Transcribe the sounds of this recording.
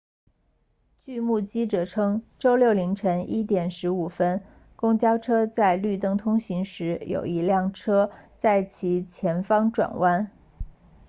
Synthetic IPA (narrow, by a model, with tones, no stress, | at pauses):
t͡ɕy˥˧mu˥˩t͡ɕi˥ʈ͡ʂɤ˨˩ʈ͡ʂʰɤ˥ŋʈ͡ʂo˥ʊljo˥˩ʊli˧˥ŋʈ͡ʂʰə˧˥ŋi˥t̪jɛ˨˩nʂɻ̩˧˥u˨˩fə˥n | kʊ˥ŋt͡ɕjɑ˥ʊʈ͡ʂʰɤ˥t͡sa˥˧ɪly˥˧t̪ɤ˥˩ŋt̪ʰʊ˥ŋɕi˧˥ŋʂɻ̩˧˥jo̰˨˩ʊi˧˥ljɑ˥˩ŋʈ͡ʂʰɤ˥t͡sa˥˩ɪt͡ɕʰi˧˥t͡ɕʰjɛ˧˥nfɑ˥ŋʈ͡ʂwa̰˨˩nwa˥n